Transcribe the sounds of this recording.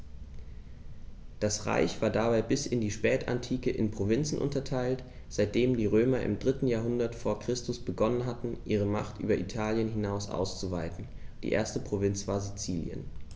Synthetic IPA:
d̥asʁa̰ɪçv̥aːɐdabaɪbɪsɪndiːʃpɛːtʰa̰ntʰiːkəʔɪnpʁ̥ovɪnt͡sn̩ʔʊ̰ntɐtʰaɪlt | z̥aɪt̚d̥eːmdiːʁøːmɐʔɪ̰mdʁɪtn̩jaːɐɦʊndɐtfoːɐkʁ̥ɪstʊsb̥əɡɔnənɦatn̩ʔiːʁ̞əmaχtʔy̰ːbɐʔitʰaːljənɦɪnaʊsʔa̰ʊst͡suvaɪtn̩d̥ḭːʔḛːɐstəpʁ̥ovɪnt͡sv̥aːɐzit͡siːljə̰n

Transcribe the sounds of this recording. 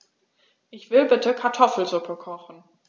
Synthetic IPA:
ʔɪçv̥ɪlbɪtəkʰaɐtʰɔfl̩zʊpʰəkʰɔχn̩

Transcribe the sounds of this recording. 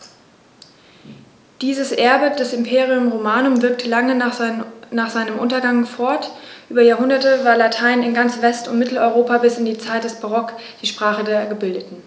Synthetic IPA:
d̥iːzəsʔɛɐbəd̥ɛsɪmpʰeːʁiʊmʁomaːnʊmvɪɐk̚tʰəlaŋə | naːχz̥aɪnəmʔʊntɐɡaŋfɔɐtʔyːbɐjaːɐɦʊndɐtəvaːɐlatʰaɪnɪnɡant͡sv̥ɛstʊ̰ntmɪtl̩ɔʏʁoːpabɪsɪndiːt͡saɪtd̥ɛsb̥aʁɔkd̥iːʃpʁ̥aːχədeːɐɡəbɪldətn̩

